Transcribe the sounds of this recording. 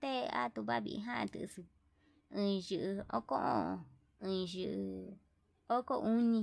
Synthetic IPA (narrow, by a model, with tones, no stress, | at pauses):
t̪e˦˧a̰˦t̪u˧βa˦βḭ˧ʔḭ˧ɦã˦ʔã̰˧t̪ɨ˧˨˧sɨ˧ | ɨ̃ː˧ʒɨ˨ʔɨ˧o̰˦ko˦ʔõ̰˦˨ | ɨ̃ː˧ʒɨ˧ʔɨ˧ | o˦ko˦˧ʔu˦nĩ˧